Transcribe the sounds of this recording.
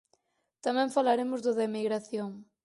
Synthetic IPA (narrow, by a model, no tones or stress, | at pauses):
t̪amɛ̃ŋfalaɾemʊzðʊðɐemiɣɾaθjõŋ